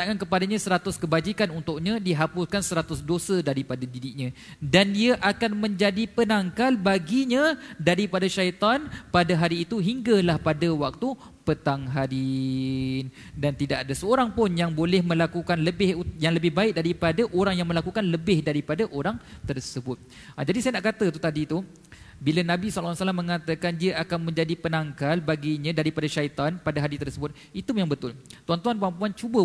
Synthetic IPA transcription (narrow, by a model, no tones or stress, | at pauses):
t̪aʔŋankəpadaɲãsəɾat̪ʊskəbad͡ʒikanunt̪ʊk̚ɲãdiɦapʊskansəɾat̪ʊsdosadaɾipadadidɪʔ̚ɲã | dandiaʔakanmə̃ɲd͡ʒadipənaŋkalbaɡiɲãdaɾipadaʃait̪anpadaɦaɾiːt̪uɦiŋɡalahpadawak̚t̪u | pət̪aŋɦadi | n | dant̪idaʔadasəoɾaŋpʊnjaŋbolɛhmə̃lakukanləbɪhujaŋləbɪhbaɪk̚daɾipadaʔoɾaŋjaŋməlakukanləbɪhdaɾipadaʔoɾaŋt̪ərsəbʊt̪̚ | d͡ʒadisajanaʔkat̪ət̪ut̪adit̪u | bilanãbislsalamːə̃ŋat̪əkandiəʔakanmə̃ɲd͡ʒadipənaŋkalbaɡiɲãdaɾipadaʃait̪anpadaɦadit̪ərsəbʊt̪̚it̪ujaŋbət̪ʊlt̪uant̪uanpəɾampuant͡ʃubə